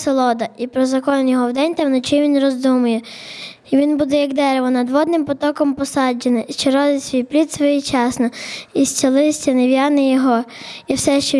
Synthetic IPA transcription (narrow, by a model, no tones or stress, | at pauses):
selˠɔd̪ɐipɾɔzɐkɔnjɔɦɔwd̪ɛnʲt̪ɛwnɔt͡ʃɪʋʲinrɔzd̪umʊjɛ | iʋʲinbud̪ɛjɐkd̪ɛɾeʋɔnɐd̪ʋɔd̪nɪmpɔt̪ɔkɔmpɔsɑd͡ʒenɪʃt͡ʃeɾɔd̪ɪsʲʋʲijplʲid̪sʋɔjit͡ʃɑsnɐisʲt͡sʲɐlˠɪsʲtʲɐnɪʋʲjɑnɪjɔɦɔ | iwsɛʃt͡ʃɔ